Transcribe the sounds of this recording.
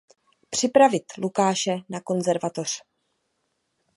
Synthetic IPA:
pr̝̥ɪpɾavɪt̪lukaːʃɛnako̞nzɛɾvat̪o̞r̝̥

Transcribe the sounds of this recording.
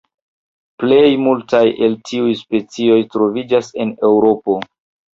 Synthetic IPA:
ple̞jmultajʔe̞ltʰiujspe̞t͡sio̞jtɾo̞vid͡ʒase̞ne̞wɾo̞po̞

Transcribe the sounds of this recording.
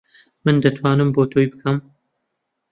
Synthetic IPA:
mɨnd̪ɐt̪ʰwaːnɨmboːt̪ʰoːjbɨkʰɐm

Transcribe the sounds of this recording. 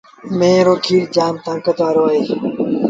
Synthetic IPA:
mẽːɾoːkʰiːɽd͡ʒaːnt̪ãːkət̪aːɾoːaːɦeː

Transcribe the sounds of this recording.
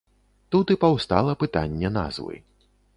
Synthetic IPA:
t̪ut̪ɨpɐwst̪a̰lˠɐpɨt̪anʲːɛna̰zvɨ̰

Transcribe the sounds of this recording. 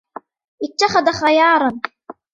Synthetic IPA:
ʔɪt̪ːaxaðaxajɑːɾˤɑn

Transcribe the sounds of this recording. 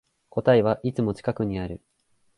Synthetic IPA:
ko̞t̪aeβaʔit͡sɨmo̞t͡ɕi̥kakɯ̟ɲ̟iaɾɯ̟

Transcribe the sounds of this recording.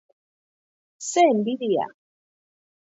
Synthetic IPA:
sɛmbiɾija̰

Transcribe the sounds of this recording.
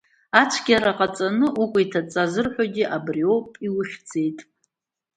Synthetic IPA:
at͡ʃʷʰɡʲaɾaqʼat͡sʼanɨʔukʷʼitʰat͡sʼazɨrħʷᶣoɡʲiʔabriopʼiwʊχʲd͡ze̞jtʼ

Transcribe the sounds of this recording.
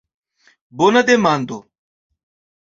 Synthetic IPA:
boːnəd̪eːmaːnd̪oː

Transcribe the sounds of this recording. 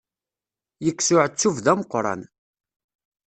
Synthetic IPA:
jəkːsʊʕət͡sːuvðæməqːɾˤɑ̰n

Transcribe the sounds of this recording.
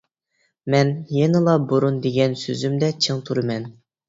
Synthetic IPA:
mɛnjenɨlˠɑboɾund̪eɡʲɛnsøzymd̪ɛt͡ʃʰeŋt̪ʰuɾɨmɛn

